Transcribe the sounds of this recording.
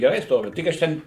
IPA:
ɡʲɛˈrɐɪ ˈstoːʋʲɪ ˈtʲɪk ɐʃ tʲɛn

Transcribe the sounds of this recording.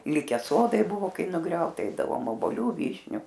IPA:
ˈlʲɪkʲɛ ˈsoːdɐɪ ˈbʊʋoː ˈkɐɪ nʊˈɡrʲɛʊtɐ ˈɛɪdɐʋoːm oːboːˈlʲʊ ˈʋʲiːʃʲnʲʊ

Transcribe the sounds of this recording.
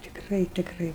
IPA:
tʲɪkˈrɐɪ tʲɪkˈrɐɪ

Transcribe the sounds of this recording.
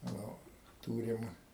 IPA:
ˈnʊ ˈtuːrʲɪm

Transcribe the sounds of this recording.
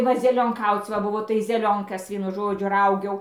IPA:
ˈʋɐ zʲɛlʲoːŋˈkɐʊt͡s ʋɐ bʊˈʋoː tɐɪ zʲɛˈlʲoːŋkɐs ˈʋʲiɛnʊ ˈʒoːd͡ʒʲʊ ˈrɐʊɡʲɛʊ

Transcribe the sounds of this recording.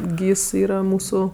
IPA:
ˈɡʲiːs ˈiːrɐ ˈmuːsʊ

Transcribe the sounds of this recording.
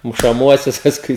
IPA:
mʊʃɐˈmuɔsʲʊs pɐsˈkʊɪ

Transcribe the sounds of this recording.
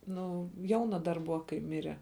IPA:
ˈnʊ ˈjɛʊnɐ dɐr ˈbʊʋɐ kɐɪ ˈmʲɪrʲɛ

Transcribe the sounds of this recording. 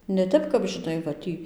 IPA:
nʲɛ ˈtʲɛp kɐp ʒʲɪˈnɐɪ ʋɐ ˈtʲiː

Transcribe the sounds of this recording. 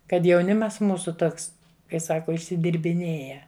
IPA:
kɐt jɛʊˈnʲɪmɐs ˈmuːsʊ ˈtoːks kɐɪ ˈsɑːkoː ɪʃʲsʲɪdʲɪrʲbʲɪˈnʲeːjɛ

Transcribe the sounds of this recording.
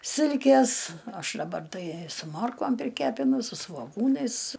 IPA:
ˈsʲɪlʲkʲeːs ˈɐʃ dɐˈbɐr ˈtɐɪ sʊ ˈmoːrkoːm pʲrʲɪˈkʲæːpʲɪnʊ sʊ sʋoːˈɡuːnɐɪs

